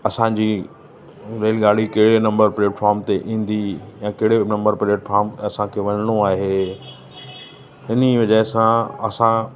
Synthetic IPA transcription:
ɐsãːd͡ʑiː | ɾeːlɡaːɽ̤ikɐɦɪɽenɐ̃mbəɾpleːʈfaːɾmt̪eʔĩːn̆d̪ijãkɐɦɪɽenɐ̃mbəɾpɾeːʈfʰaːɾmɐsãkʰeːʋɐɲəɽ̃oaːɦeː | ɪniʋɐd͡ʑəɪsãɐsã

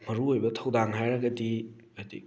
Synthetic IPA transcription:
mɐɾuojbɐtʰɐwdaŋɦajɾɐɡɐdi | adḭ

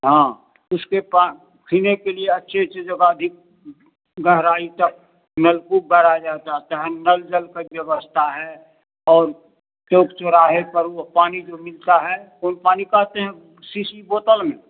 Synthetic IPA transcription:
ɦãː | ʊskepa | kʰiːnekelieɐtːʃʰet͡ʃʰed͡ʒəɡad̪ʱɪk̚ | ɡəɦɾaːit̪ɐk̚ | nəlkubəɾad͡ʒaːt̪at̪aɦɛ̃nəld͡ʒəlkabjəwəst̪ʰaɦɛ | ɔːɾ | t͡ʃoːkt͡ʃoɾaːɦepəɾopaːnid͡ʒomɪlt̪aɦɛ | onpaːnikaːt̪eɦɛ̃ | siːsiboːt̪əlmẽː

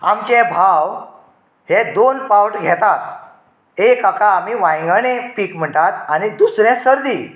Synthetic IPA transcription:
a̰mt͡ɕɛ̃bʱaw | hed̪onpawʈɡʱɛt̪at̪ | ekakaːmiʋãj̃ŋɡənepiːkm̤əʈat̪anid̪usɾɛ̃səɾd̪i

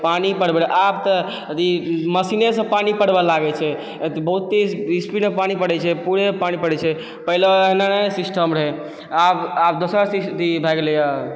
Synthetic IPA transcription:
panipəɽbeɾʔab̚t̪ə | t̪iməsinesə̃panipəɽbelaɡɛt͡ʃʰɛ | t̪ebəɦut̪ːiispiɖepanipəɽɛt͡ʃʰɛpuɾepanipəɽɛt͡ʃʰɛ | pəɦileeɦnanəsisʈəmɾɦɛ | ababd̪osəɾsist̪ibʱɛɡeleja

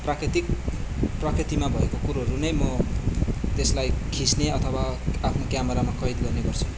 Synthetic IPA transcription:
prakrit̪ik̚prʌkrit̪imabʱʌekokuɾoʌɾunʌjmʌ | t̪eslajkʰisneʌt̪ʰʌwaapʰnokjamʌɾamakʌjd̪ɡʌrneɡʌrt͡sʰu̥

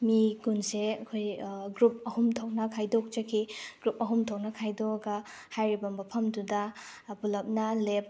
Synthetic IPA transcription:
miɡunseɐkʰojɡɾup̚ɐhumtʰok̚nɐkʰajdok̚d͡ʒɐkʰiɡ̥ɾup̚ɐɦumtʰok̚nɐkʰajdoɡɐ | hajɾibɐmbɐpʰɐmdudɐbulɐp̚nɐlep̚

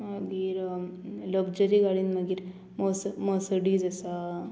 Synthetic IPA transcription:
maɡiːɾlobd͡ʒəɾiɡaɽinmaɡiɾ | mosmosəɖiːzɐsa

